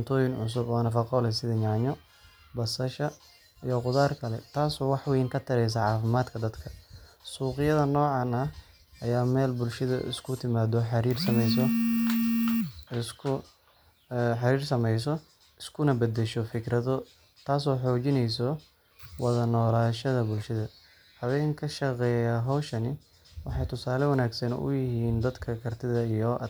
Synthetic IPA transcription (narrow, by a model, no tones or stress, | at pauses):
nt̪ʰɔːjɪnʕʊ̰s̬ʊbɔːnɐfɑqɔːlɛsɪðɐɲaːɲɔ | bɐsɐʃɐ | ijɔqʊðaːrkʰɐlɛt̪ʰaːsɔːwɑħwɛːŋkʰɐt̪ʰɐɾɛjs̬ɐʕɑːfɪmaːd̪kʰɐd̪ɐd̪kʰɐsuːqɪjɐðɐnɔːʕɑnɐ | ʔɐjaːmɛːlbʊlʃɐðɐ̰ʔɪ̰skʰʊt̪ʰɪmaːd̪ɔħɑɾiːrsɐmɛjsɔ | kʰʊ | ħɑɾiːrsɐmɛjsɔ | ɪskʰʊnɐbɐd̪ɛʃɔfɪkɾɐðɔ | t̪ʰaːsɔːħɔːt͡ʃɪnɛjsɔ | wɑðɐnɔːlaːʃɐðɐbʊlʃɐðɐ | hɐβɛːŋkʰɐʃɐqɛːjaːɦɔwʃɐnɪ | wɑħɑjt̪ʰʊsaːlɛwɐnaːɡsɐnʊ̰jɪhiːnd̪ɐd̪kʰɐkʰɐrt̪ʰɪðɐijɔ